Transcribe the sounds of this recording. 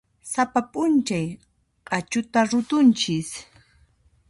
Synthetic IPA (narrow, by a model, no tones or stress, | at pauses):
sapapʼʊnt͡ʃaj | qʼɑt͡ʃʊt̪aɾʊt̪ʊnt͡ʃɪs